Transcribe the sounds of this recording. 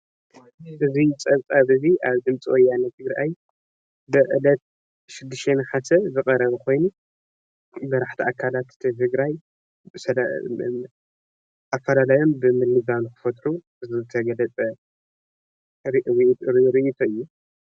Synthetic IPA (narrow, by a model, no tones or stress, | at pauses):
ʔɨzit͡sʼɐβt͡sʼaβɨziʔaβd̪ɨmt͡sʼiwɔjanːɐt̪ʰɨɡɾʔaj | bɨʔɨ̰lɐt̪̚ | ʃɪd̪ːɨʃt̪ʰenɨħasɐzɨkʼɐɾɐβkʰo̞jnu | bɐɾaħt̪ʰiakʰːalat̪ɨ̥t̪ʰit̪ʰɨɡɾaj | sɐl̰ | ʔafɐlalajo̞mbɨmɨlɨbankʰɨ̥fɐt̪ʼɾu | ɨziɨɨt̪ʰɐɡɐlɐt͡sʼɐ | ɾuɾɨʔit̪ʰoɨjːu